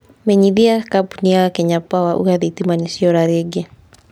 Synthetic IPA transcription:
mɛɲiðiakapuniaakɛɲapawaʔṵjaðitimanisiɔɾaɾɛɡɛ

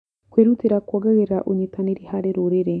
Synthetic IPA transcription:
kweɾutiɾakwaɡaɣiɾaʔuɲitaneɾihaɾeɾuɾiɾe

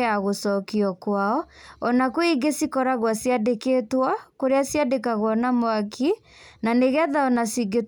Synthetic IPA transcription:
aɣosɔkiɔkwaɔɔnakwiɡesikɔɾaɣwasijadekeːtwakoɾeasiadekaɣwɔnamoakʰi | naneɣɛðaɔnasiɡe

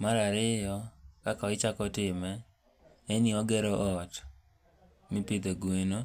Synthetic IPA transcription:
maɾaɾɪjɔkakɔɪt͡ʃakɔtɪmɛː | nɪɔɡɛɾɔʔɔt | mipid̪oɡweno

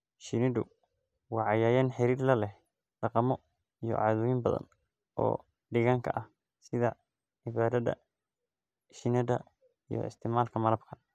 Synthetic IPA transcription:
ʃɪnɪdʊ | wɑːʕɑjaːjaːnħɪɾiːrlɐlɛh | ɖɑqɑmɔ | ijɔ̰ʔʕɑːðʊjɪmbɐðɐ̰n | ɔ̰ː | ɖɪɣaŋkʰɐ̰ʔɐh | sɪðɐ | ʕɪβaːɾɐðɐ̰ | ʃɪnɐdɐ̰ | ijɔ̰ɪ̰st̪ʰɪmaːlkʰɐmɐlɐbkʰɐn

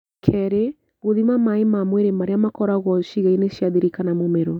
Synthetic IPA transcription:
kʰɛɾe | ɣoðimamaemamweɾemaɾeamakɔɾaɣɔʃiɣaineʃjaðiɾikanamomɛɾɔ

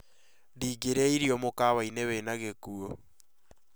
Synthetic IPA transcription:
diːɡeɾeiɾjɔmokaβaineβenaɣekuo

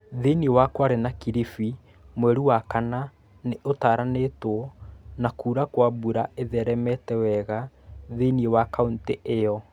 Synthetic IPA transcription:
ðeniewakwaɾenakiɾifi | mwɛɾuwakana | neʔotaːɾanetwɔnakuːɾakwaβuɾaeðɛɾɛmɛtɛwɛɣa | ðeniewakaunteʔejɔ

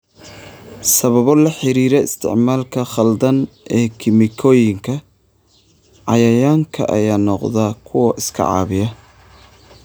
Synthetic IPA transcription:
sɐβɐβɔlɐħɪɾiːɾɛɪ̰st̪ʰɪ̰ʕmaːlkʰɐχɐld̪ɐnʔɛːkʰɪmɪkʰɔːjɪŋkʰɐ | ʕɑjɐjaːŋkʰɐ̰ʔɐ̰jaːnɔqðakʰʊwɐʔɪskʰɐ̰ʕɑ̰ːβɪjɐ

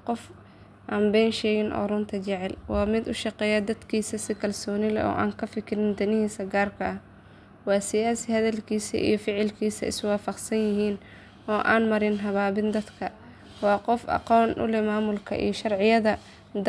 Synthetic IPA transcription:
qɔf | ʔaːmbɛjnʃɛːɣɪnʔɔ̰ɾʊnt̪ʰɐt͡ʃɪʕɛlwɑːmɪd̪ʊʃɑqɛːjɐd̪ɐd̪kʰiːsɐsɪkʰɐlsɔːnɪlɛ̰ʔɔ̰ːʔa̰ːŋkʰɐfɪkʰɪɾɪnd̪ɐnɪhiːsɐɡaːrkʰɐʔɐh | wɑːsɪjaːsɪhɐðɐlkʰiːsɐ̰ʔḭjɔfɪʕɪlkʰiːsɐ̰ɪ̰swɑːfɐqsɐnjɪɦiːn | ʔɔːʔa̰ːnmɐɾɪnɦɐβaːβɪnd̪ɐd̪kʰɐ | wɑːqɔfɑ̰qɔːnʔʊ̰lɛmaːmʊlkʰɐ̰ʔḭjɔʃɐrʕɪjɐðɐ | d̪

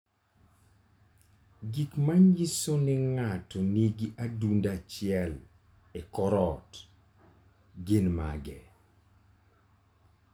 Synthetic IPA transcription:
ɡikmanjisonɪŋatɔniɡiʔadundat͡ʃɪɛl | ekɔɾɔt | ɡenma̰ɡɛ

